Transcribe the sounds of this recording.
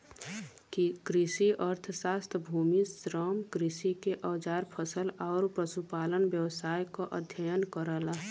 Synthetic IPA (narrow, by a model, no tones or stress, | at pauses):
kikɾisiʔəɾt̪ʰsaːst̪ʰəbʱuːmisɾəmkɾɪsikeʔəːd͡ʒaːɾpʰəsəlaːɾpɾəsupaːlənbjəwsaːjkoʔəd̪ʱjəjənkəɾəlaɦ